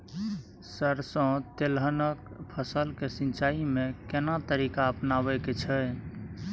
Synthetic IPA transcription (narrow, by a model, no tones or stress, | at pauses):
səɾsə̃t̪elɦənəkpʰəsəlkesint͡ʃaimekenat̪əɾikaəpnabɛket͡ʃʰɛ